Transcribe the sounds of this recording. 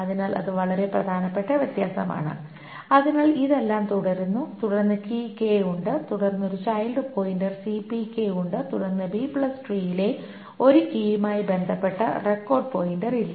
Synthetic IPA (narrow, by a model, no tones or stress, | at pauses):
ɐðinaːlʔɐ̰ðɨʋɐɭɐɾe̞prɐ̰d̪ʱaːnɐpːe̞ʈːɐʋjɐt̪jaːsɐma̰ːɳɨ̰ | ɐðinaːɭiðe̞lːaːmt̪uɽɐɾunːut̪uɽɐrnːɨkikːe̞juɳɖɨt̪uɽɐrnːo̞ɾut͡ɕɐjlɖɨpoːjindɐrsipikːejuɳɖɨt̪uɽɐrnːɨbiːpɭɐsʈriːjile̞ | o̞ɾukijmaːjibe̞nd̪ʱɐpːe̞ʈːɐ̰re̞kːo̞ːrɖpoːjinɖɐrilːɐ